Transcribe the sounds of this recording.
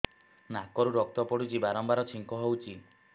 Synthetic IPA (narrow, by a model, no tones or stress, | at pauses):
nakɔɾuɾɔk̚t̪ɔpɔɽut͡ʃibaɾɔmbaɾɔt͡ʃʰiŋkɔɦewt͡ʃʰi